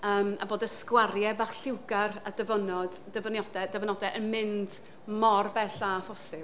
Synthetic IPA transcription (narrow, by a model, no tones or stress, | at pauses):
əːma̰boːdəskwarjɛbaχɬɪwɡaradəvənɔd̥ | dəvənjɔdɛdəvənɔdɛʔənmɪnd̥ | mɔrbɛɬafɔsɪ